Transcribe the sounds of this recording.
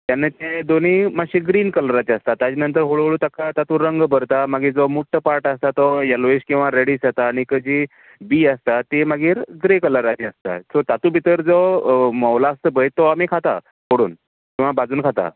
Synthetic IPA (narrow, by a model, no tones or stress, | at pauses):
t̪janːet̪ed̪onimaɡɕiɡɾiːnkələɾat̪iəst̪at̪ad͡ʑinənt̪əɾɦoɭoɭuːt̪akat̪at̪uɾəŋɡbəɾt̪amaɡiːɾd͡zɔmuʈʰːəpaɾʈəst̪at̪ɔjaloeɕkĩw̃ʋaɾeɽiːsjat̪aːɽ̃ikəd͡ʑi | biːəst̪at̪emaɡiːɾɡɾekələɾat̪iəst̪a̰sɔt̪at̪ũbʱit̪əɾd͡zɔmɔwlaːst̪əbəjt̪ɔamikʰat̪a̰ | ɦoɽṵːn | kĩw̃ʋabad͡zuːnkʰat̪a̰